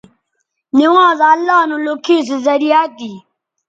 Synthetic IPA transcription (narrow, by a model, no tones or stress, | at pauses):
nɪwãːzalːaːnũːlʊkʰiːs̬ezɐɾijaːt̪iː